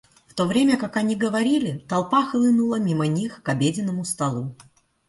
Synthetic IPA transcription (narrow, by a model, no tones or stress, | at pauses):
ft̪o̞vɾʲemʲəkakɐnʲiɡəvɐɾʲilʲɪt̪ɐlˠpaxlˠɨnulˠəmʲimənʲixkɐbʲedʲɪnːəmʊst̪ɐlˠu